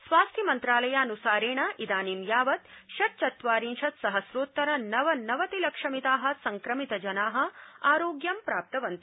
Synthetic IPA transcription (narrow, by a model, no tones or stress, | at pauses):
sʋaːst̪ʰjimɐnt̪ɾaːlɐjaːnusaːɾeːɳɐʔid̪aːnimjaːʋɐt̪ʃɐɾ̚t͡ʃɐt̪ʋaːɾinʃɐt̪sɐɦɐsɾoːt̪ːɐɾɐnɐʋɐnɐʋɐt̪ilɐkʂɐmit̪aːɦɐ̆sɐŋkɾɐmit̪ɐd͡ʒɐnaːɦɐ̆aːɾoːɡjɐmpɾaːp̚t̪ɐʋɐnt̪i